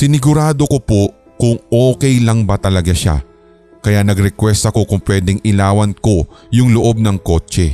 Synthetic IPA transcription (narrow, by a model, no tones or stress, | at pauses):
sɪnɪɡʊɾaːd̪o̞ko̞po | kʊŋʔoːkɛjlɐŋbɐt̪ɐlɐɡaʃa̰ | kɐjanɐɡɾɛkwɛst̪ɐko̞kʊŋpwɛːd̪ɛŋʔɪlaːwɐnko̞jʊŋlʊʔo̞b̚nɐŋko̞ːt͡ʃɛ